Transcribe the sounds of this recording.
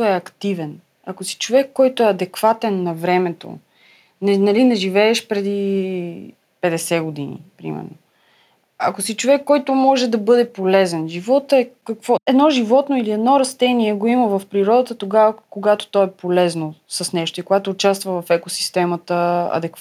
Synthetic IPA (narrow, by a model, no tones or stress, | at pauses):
ɛɐkt̪ivɛn | ɐkosi̥t͡ʃovɛkːɔjt̪oɛɐd̪ɛkvat̪ɛnːɐvɾɛmɛt̪o̰ | nɛnɐlinɛʒivɛːʃpɾɛd̪i | pɛd̪ɛsɛɡod̪inḭpɾḭmɛ̰ɾno̰ | ɐ̰kosit͡ʃovɛkːɔjt̪ʊmɔʒɛd̪ɐbɤd̪ɛpolɛzɛnʒivɔt̪ɛkɐkvɔɛd̪nɔʒivɔt̪noiliɛd̪nɔɾɐst̪ɛniɛɡoiməvɐfpɾiɾɔd̪ət̪ət̪oɡavəkoɡat̪o̥t̪ɔɛpolɛznosɐsnɛʃt̪oikoɡat̪oːt͡ʃast̪vəvɐfɛkosi̥st̪ɛmət̪əɐ̰d̪ɛk